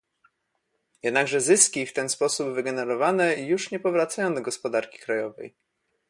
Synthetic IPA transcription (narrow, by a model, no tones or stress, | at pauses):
jɛd̪naɡʐɛzɘskʲift̪ɛnspɔsubvɘɡɛnɛɾɔvanɛjuʂɲɛpɔvɾat̪sajɔ̃w̃d̪ɔɡɔspɔd̪aɾkʲi̥kɾajɔvɛ̰j